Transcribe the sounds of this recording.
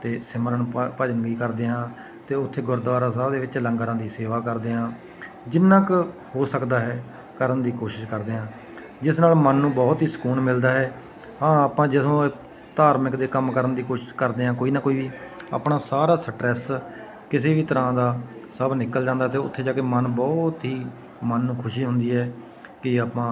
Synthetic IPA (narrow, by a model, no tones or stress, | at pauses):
t̪eːsɪməɾənpəd͡ʒəŋɡiːkəɾd̪eːɦãː | t̪eːʊt̪ʰːeːɡʊɾd̪ʋaːɾãːsaːbd̪eːʋɪt͡ʃləŋɡɾãːd̪iːseːʋaːkəɾd̪eːɦãː | d͡ʒɪnːãːkhoːsəkd̪aːɦɛː | kəɾənd̪iːkoːʃɪʃkəɾd̪eːɦãː | d͡ʒɪsnaːlmənːũːbɔːt̪ɦiːsə̥kuːnmɪld̪aːɦɛː | ɦãːaːpãːd͡ʒɪsõː | t̪aːɾmɪkd̪eːkəmkəɾənd̪iːkoːʃɪ̥ʃkəɾd̪eːɦãːkoːiːnaːkoːiːʋiːa̰ːpnaːsaːɾaːsəʈɾɛs | kɪseːʋiːt̪əɾãːd̪aːsəbnɪkːəld͡ʒãːnd̪aːt̪eːʊt̪ʰːeːd͡ʒaːkeːmənbɔːt̪ɦiː | mənːũːkʰʊʃiːɦʊnd̪iːɦɛː | kɪaːpãː